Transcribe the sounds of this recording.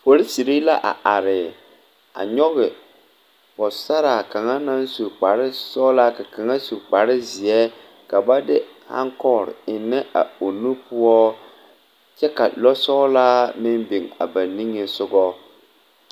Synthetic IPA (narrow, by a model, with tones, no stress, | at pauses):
po˨ɾɪ˦si˨ɾi˦la˦ʔa̰˨ʔa˨ɾɪ˨ | a̰˨ɲɔ˦ɣɪ˨ | pɔ˨sa˦ɾa˨ka˨ŋa˦na˦nsu˨k͡pa˨ɾɪ˦sɔ˦la˦ka˨ka˨ŋa˦su˨k͡pa˨ɾɪ˦zɪ˨ɛ˦ | ka˨ba˦dɪ˦ | ha̰˦ŋkɔ˦˨ɾɪ̰˨ɪ˨nːɪ˦ʔa̰˨o˨nu˦pʊ˦ɔ˦ | t͡ʃɛ˦ka̰˨lɔ˦sɔ˦laː˦mɪ˦mbi˨ŋa̰˨ba˨nːi˦ŋe˨sʊ˦ɡɔ˦